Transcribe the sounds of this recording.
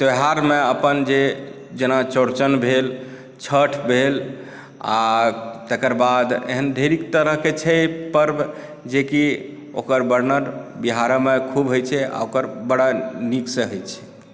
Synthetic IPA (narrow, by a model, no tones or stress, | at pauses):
t̪oɦaɾmeəpənd͡ʒe | d͡ʒenat͡ʃoɾt͡ʃənbʱel | t͡ʃʰəʈʰbʱel | a̰t̪ekəɾbad̪ḛɦənd̪ʱeɾikt̪əɾəɦket͡ʃʰɛpəɾb | d͡ʒeki | okəɾbəɾnəɾbiɦaɾəmekʰubɦojt͡ʃʰɛa̰okəɾbəɽaniksəɦojt͡ʃʰɛ̥